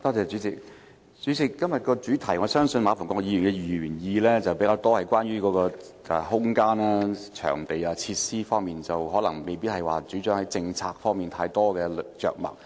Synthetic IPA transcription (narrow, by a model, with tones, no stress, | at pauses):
t̪ɔː˥t͡sɛː˨˧t͡ʃyː˨˥t͡sɪ˨k̚ | t͡ʃyː˨˥t͡sɪ˨kːɐ˥mjɐ˨t̚kɔː˧t͡ʃyː˨˥t̪ʰɐ˨˩jŋɔː˨˧˥sœː˥ŋsɵ˧nmaː˨˧˩fɔː˨˩ŋkɔː˧k̚jiː˧y˨nkɛ˧jːyː˨˩njiː˨˧lɛː˥t͡sɐ˨wpe˨˥jkaː˧wt̪ɔː˥hɐ˨jkʷwaː˥nɥyː˥kɔː˨˧˥kɔː˧ | ʔɛ̰˨hʊ˥ŋkaː˥naː˧t͡ʃʰœ̰ː˨˩ŋt̪e˨jaː˧t͡sʰiː˧t̚siː˥fɔː˥ŋmiː˨nt͡sɐ˨wɦɔː˨˥lɐ˨˩ŋme˨jpiː˥t̚hɐ˨˩jwa̰ː˨˩t͡ʃyː˨˥t͡ʃœː˨˥ŋhɐ˨˥jt͡sɪ˧ŋt͡sʰaː˧k̚fɔː˥ŋmiː˨˩nt̪ʰaː˧jt̪ɔː˥kɛː˧lt͡ʃœ̰ː˨k̚mɐ̰˨˩k̚